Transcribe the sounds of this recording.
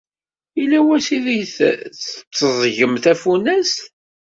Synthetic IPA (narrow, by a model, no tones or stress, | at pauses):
ilæwæsiðijθθt͡sːəzˤʝəmθæfunæst